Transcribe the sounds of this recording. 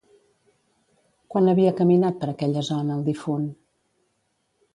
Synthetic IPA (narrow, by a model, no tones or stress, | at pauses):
kwanəβiəkəminat̪̚pəɾəkɛʎəzɔnəːlˠd̪ifun